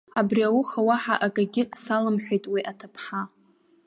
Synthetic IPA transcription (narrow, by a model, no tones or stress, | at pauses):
abriawʊχawaħaʔakʼaɡʲɪʔsalɨmħʷᶣejtʼwiʔatʰapʰħa